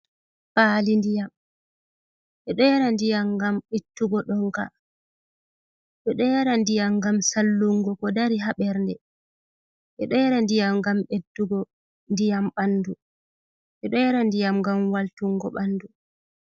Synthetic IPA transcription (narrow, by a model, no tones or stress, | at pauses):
paːlindijam | ɓɛɗɔjɛɾandijamɡamɓetːuɡɔɗɔŋka̰ | ɓɛɗɔjaɾandijamɡamsalːuŋɡɔkɔdaɾiɦaɓɛɾndɛ | ɓɛɗɔjɛɾandijamɡamɓetːuɡɔ | ndijamɓanːdu | ɓɛɗɔjɛɾandijamŋɡamwaltuŋɡɔ̰ɓanːdu